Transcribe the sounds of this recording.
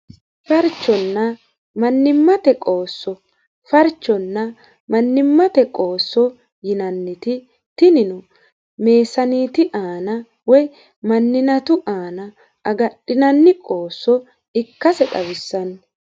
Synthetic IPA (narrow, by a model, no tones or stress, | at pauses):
fɐɾt͡ʃːɔnːɐ | mɐnːɪmːɐt̪ɛkʼo̞ːsːɔ | fɐɾt͡ʃːɔnːɐ | mɐnːɪmːɐt̪ɛkʼo̞ːsːɔ | jɪnɐnːɪt̪ɪ | t̪ɪnɪnʊ | me̞ːsɐniːt̪ɪʔaːnɐ | wɔj | mɐnːɪnɐt̪ʊʔaːnɐ | ɐɡɐɗːɪnɐnːɪkʼo̞ːsːɔ | ɪkːɐsɛɗɐwɪsːɐn